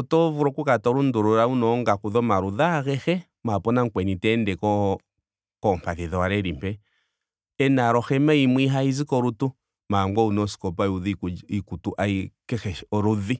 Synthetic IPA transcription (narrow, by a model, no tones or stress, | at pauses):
ɔtɔvuɾɔkukatɔɾunduɾuɾaunɔŋɡakuðɔmaɾuðaɣɛxɛ | mapɔnaŋkwɛnitɛndɛkɔ | kɔmpaðiðɔaɾɛɾimpɛ | ɛnaɾɔxɛmɛimwiɦaizikɔɾutu | maŋɡɔunɔsi̥kɔpauðiikutuʔaikɛxɛɔɾuði